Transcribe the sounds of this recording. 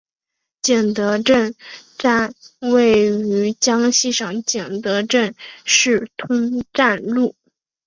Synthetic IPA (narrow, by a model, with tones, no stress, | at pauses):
t͡ɕjɛ˨˩nt̪ɤ˧˥ʈ͡ʂə˥˧nʈ͡ʂa˥˧nwe˥˩ɪy˧˥t͡ɕjɑ˥ŋɕi˥˩ʂɑ˨˩ŋt͡ɕjɛ˨˩nt̪ɤ˧˥ʈ͡ʂə˥˧nʂɻ̩˥˩t̪ʰʊ˥ŋʈ͡ʂa˥˧nlu˥˩